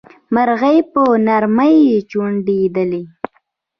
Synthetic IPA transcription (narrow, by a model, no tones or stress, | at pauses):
maɾɣəjpənaɾməjːet͡ʃuɳɖid̪əli